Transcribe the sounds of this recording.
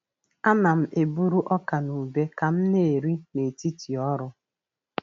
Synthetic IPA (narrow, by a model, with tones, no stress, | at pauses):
a˦na˨m̩˨ʔe˨bu˦ɾu˦ʔɔ˦ka˨nu˨be˦ka˨m̩˦ne˦˨ɾi˦ne˨ti˦ti˨ɔ˦ɾʊ˦